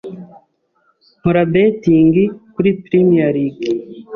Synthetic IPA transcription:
m̥oɾabetiːŋɡikuɾipɾimijaɾiɡ

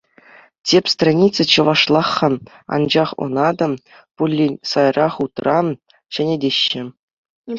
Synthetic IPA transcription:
tʲepʲst̪ranʲit̪t͡sːɘ̆t͡ɕɤ̆ʋɑʂlˠɑχːɤ̆ | ɑ̰nd͡ʑɑχo̰nɑd̪ɤ̆ | pulʲːinʲsɑjrɑχut̪rɑ | ɕɘ̆nʲedʲeɕːɘ̆

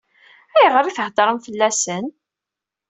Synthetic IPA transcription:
æjʁəɾiθəhd̪ˤəɾˤəmθəlːæsən

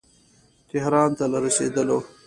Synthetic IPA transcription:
t̪ɪɦɾɑːnt̪alaɾasḛːd̪əlo

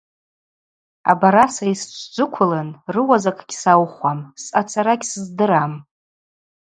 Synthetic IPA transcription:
a̰baɾasaist͡ʃʷʰd͡ʒʷʊkʷʰʊlanrɨwazakʰʼɡʲsawχʷamsat͡sʰaɾaɡʲsɨzdɨɾam

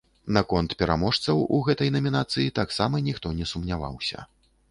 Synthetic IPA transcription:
nakɔnt̪pʲɛɾamɔʂt̪sɐwuɣɛt̪ɐjnɐmʲinat̪sɨjit̪aksamɐnʲixt̪ɔnʲɛsumnʲava̰wsʲɐ̰

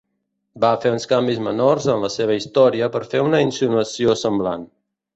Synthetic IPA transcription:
bafeunskambizmənorzənləseβ̞əist̪ɔɾiəpəɾfeunəinsunuəsiosəmbla̰n

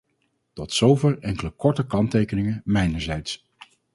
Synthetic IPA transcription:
tɔtsowvɪːlˠɛŋkələkɔɹtəkɑntejkənɪŋəmɛjnəɹzɛjts

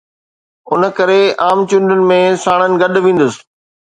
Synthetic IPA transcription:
ʊnəkɐɾeaːmt͡ɕʊ̃ɳɖʊnɪ̆mẽsaːɽ̃ənɪ̆ɡɐɗʋĩːn̆d̪əsɪ̥̆

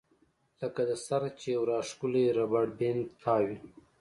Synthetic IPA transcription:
ləkad̪əsaɾt͡ʃewɾɑːʂkuleɾabaɽbent̪ʰaːwi

